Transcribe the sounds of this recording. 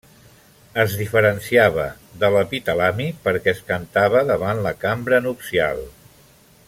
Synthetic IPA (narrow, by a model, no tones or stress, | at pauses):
əzðifəɾənsiaβə̰ | ðələpit̪əlamipəɾkɛskənt̪aβəðəβanləkambɾənupsia̰lˠ